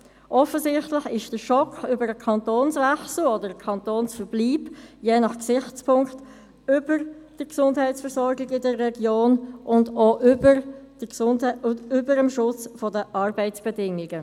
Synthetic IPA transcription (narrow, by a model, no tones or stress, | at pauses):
ʔɔfəzɪχtlɪχɪʃd̥əʃɔkʏbəɾəkʰɑntoːnsvɛχsl̩ɔdəɾəkʰɑntoːnsfəɾbliːbjeːnɑχksɪχt͡spʰʊŋkt | ʏb̥əɾd̥əksʊndɦɛɪtsfəɾsɔɾɡɪɡɪdərːɛɡjoːnʔʊndoːʔybəɾd̥əsʊnʏbəɾəmʃʊt͡sfɔdəʔɑrbɛɪt͡sb̥ɛdɪŋɪɡə